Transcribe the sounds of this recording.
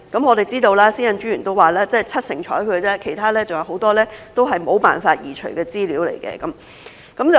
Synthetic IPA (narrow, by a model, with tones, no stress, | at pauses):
kɐ˨˥mɔː˨˧t̪e˨˩jt͡siː˥t̪o˧wlaː˥siː˥jɐ˨˧nt͡ʃyː˨˥jyː˨˩nt̪o˥waː˨laː˥t͡sɐ˥˨t͡sʰɐ˥t̚sɪ̰˨˩ŋt͡ʃʰɔ̰ː˨˥jkʰɵ˨˧t͡sɛː˥kʰe˨˩jt̪ʰaː˥lɛː˥t͡sʊ˨ŋjɐ˨˩who˨˥wt̪ɔː˥lɛː˥t̪o˥wɦɐ˨jmo˨˧wpa̰ː˨nfaː˧t̚jiː˨˩t͡ʃʰɵ˨˩ɥkɛː˧t͡siː˥liː˨˥wlḛ˨˩jkɛ̰ː˧kɐ˨˦m | kɐ˨˥mt͡sɐ˨